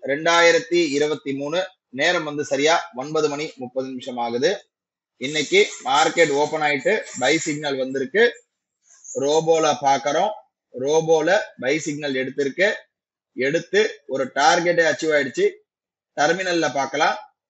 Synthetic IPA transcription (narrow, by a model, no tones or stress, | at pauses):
ɾɛɳɖaːjɪɾɐt̪ːiɪɾɯbɐt̪ːimuːnɯ | neːɾɐmʋɐnd̪ɯsɐɾɪjaːɔnbɐðɯmɐɳimʊpːɐðɯnɪmʂɐmaːɣɐðɯ | ɪnːɐkːimaːɾkeʈoːpɐnaːjɪʈːɯbɐɪsɪɡ̚nɐlʋɐnd̪ɪɾɯkːɯ | ɾoːboːlɐpaːɾkɐɾõː | ɾoːboːlɐbɐɪsɪɡ̚nɐlɛɽɯt̪ːɪɾɯkːɯ | ɛɽɯt̪ːɯɔɾɯʈaːɾɡɛʈːeːɐt͡ʃːɯʋaːɪɽɯt͡ʃːɯ | t̪ɐɾmɪnɐlɪlɐpaːɾkɐlãː